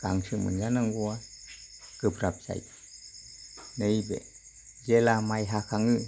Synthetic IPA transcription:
kaŋsɯmɯ̰njanaŋɡua | kɯpɾap̚za̰j | naibḛ | zelamajɦakʰaŋɯ

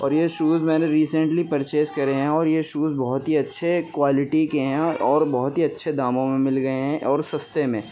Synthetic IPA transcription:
ɔ̰ːɾjeʃuːzmɛːneɾiːsə̃ɳʈlipɐɾt͡ʃeːskɐɾeɦɛ̃ɔːɾjeʃuːzbɔɦʊt̪ɦiɐtːʃʰekwaːlɪʈikeɦɛ̃ɔːɾbɔɦʊt̪ɦiɐtːʃʰed̪aːmõmẽmɪlɡɐeɦɛ̃ɔːɾsɐst̪emẽː

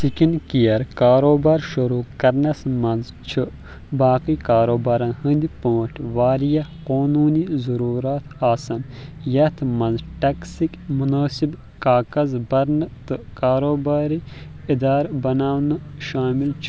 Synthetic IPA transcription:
sikinkijɐɾkaːɾoːbaːɾʃuɾuːkɐɾnɐsmɐnz | t͡ʃʰɨ | baːqiːkaːɾoːbaːɾɐnhɨ̃nd̪ipõːʈʰʋaːɾijɐqoːnuːnizɐɾuːɾaːt̪ʰaːsɐnjɐt̪ʰmɐnzʈɐksikmunaːsib | kaːkɐzbɐɾnɨt̪ɨkaːɾoːbaːɾi | id̪aːɾbɐnaːwnɨʃaːmilt͡ʃʰ

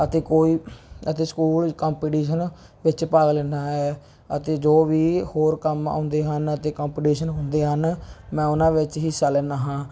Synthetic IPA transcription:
ət̪eːkoːiːət̪eːskuːlkɔːmpiːʈiːʃən | ʋɪt͡ʃpaːɡlẽːndaːɦɛː | ət̪eːd͡ʒoːʋiːhoːɾkəma̰ːnd̪eːɦənət̪eːkoːmpiːʈiːʃənɦʊ̃nd̪eːɦənmɛ̃ːʊnãːʋɪt͡ʃɦisaːlɛːnaːɦãː

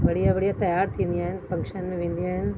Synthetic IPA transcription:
bɐɽ̤ijabɐɽijat̪ɐjaːɾt̪ʰĩːnd̪ijaːɦɪnfɐ̃ŋkʃənmẽʋẽːnd̪ijaːɦɪnɪ̆

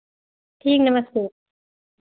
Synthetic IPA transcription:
t̪ʰiŋnamːasuk̚

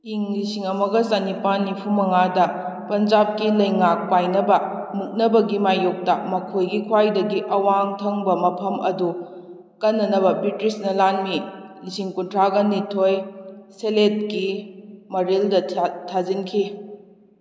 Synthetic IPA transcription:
iŋlisiŋɐmɐɡɐsanipanːipʰumɐŋadɐpɐnd͡ʒap̚kilɐjŋak̚pajnɐbɐmuk̚nɐbɐɡimajuk̚tɐmɐkʰojɡikʰwajdɐɡiʔɐwaŋtʰɐŋbɐmɐpʰɐmɐ̰du | kɐnːɐnɐβɐbɾitɾisnɐlanmilisiŋkuntʰɾaɡɐnitʰojselet̚kimɐɾildɐtʰazinkʰi

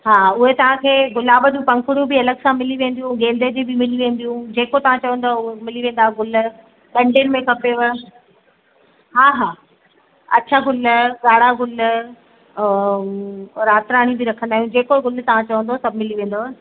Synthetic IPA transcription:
ɦaːʊɦet̪ɐʋ̤ãkʰeːɡʊlaːbd͡ʑũpɐ̃ŋkʊɽijũbɪɐləɡsãmɪliʋẽːn̆d̪ijũɡeːld̪ed͡ʑibimɪliʋẽːnd̪ijũd͡ʑeːkot̪ɐʋ̤ãt͡ɕɐʋə̃n̆d̪oʊɦemɪliʋẽːn̆d̪aːɦeɡʊl̆ | ɗɐ̃ɳɖʱənɪ̆mẽkʰɐpeʋə | ɦaːɦaː | ɐ̰tːt͡ɕʰaɡʊlɡaːɽaɡʊl | ɾaːt̪ɾaːɽ̃ĩbɪɾɐkʰə̃nd̪aːɦijũd͡ʑeːkoɡʊlt̪ɐʋ̤ãt͡ɕɐʋə̃nd̪osɐbʱmɪliʋẽːn̆d̪oːɦ

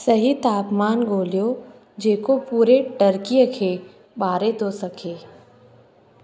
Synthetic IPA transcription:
sɐɦit̪aːpmaːnɡʱoːlijo | d͡ʒeːkopuːɾeʈɐɾkijəkʰe | ɓaːɾet̪osɐkʰeː

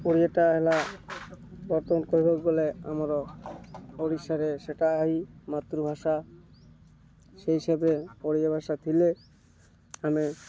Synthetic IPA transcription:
oɾiaʈaɦɛla | bɔɾt̪ɔmankoɾibʱɔkbolea̰maɾɔ | oɽiʃaɾeʃeʈaaɦimat̪ːɾubʱaʃa | ʃeɦiʃebɾepoɽijabʱaʃat̪ʰile | ame

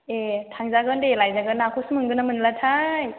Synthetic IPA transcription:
etʰaŋzaɡɯndelajzaɡɯnːakʰusmɯŋɡɯnamɯnlatʰaj

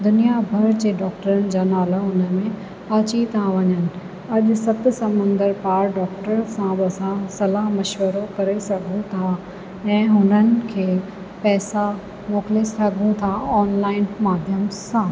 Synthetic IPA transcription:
d̪ʊnijabʱɐɾd͡ʑeːɖɔːkʈəɾənɪ̆d͡ʑaːnaːləɦʊnə̆mẽ | ɐt͡ɕit̪ʰãʋɐɲənɪ̆ | ɐʄʊsɐt̪sɐmə̃nd̪əɾpaːɾɖɔːkʈəɾsãɓɪɐsãsɐlaɦmɐʃʋəɾokɐɾesɐɡʱũt̪ʰa | ɛ̃ːɦʊnənɪ̆kʰeː | pɛːsa | mɔːklesɐɡʱũt̪ʰaɔːnlaːɪnmaːd̪ʱjəmsãː

